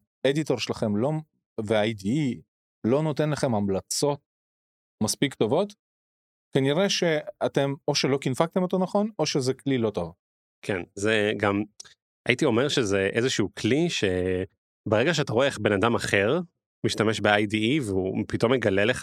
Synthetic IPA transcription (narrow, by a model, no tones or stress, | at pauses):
ed̪ito̞ʁʃelaχe̞mlo̞ | veajdii | lo̞no̞te̞nlaχe̞mhamlat͡so̞t̚ | maspikto̞vo̞t | kaniʁe̞ʃe̞ate̞mo̞ʃelo̞kinfak̚t̪emot̪onaχo̞no̞ʃezeklilo̞to̞v | kʰenzeɡam | a̰itio̞meʁʃezeʔezeʃuukliʃe | beʁeɡaʃ̬eataʁoeχbe̞nad̪amaχeʁ | miʃtameʃbeajdiiveupito̞mːeɡaleleχa